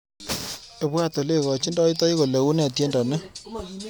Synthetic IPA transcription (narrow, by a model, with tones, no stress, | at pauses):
e˨pwa˦˨to˨le˦˨kɔ˨t͡ʃi˦ndɔ˦i˦tɔ˦i˦ko˨le˨u˦nɛ˦˨tje˦ndɔ˨nɛ˦